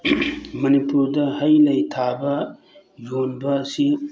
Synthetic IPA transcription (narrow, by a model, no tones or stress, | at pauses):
mɐnipuɾdɐhɐjlɐjtʰabɐ | jonbɐːsi